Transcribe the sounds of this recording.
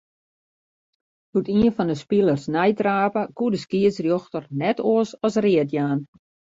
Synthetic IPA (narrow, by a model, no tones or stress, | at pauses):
hutiənfɔndəspilˠərsnɛjtraːpəkuədəskiəsrjɔxtərnɛtʰoəsɔsrɪətjaːn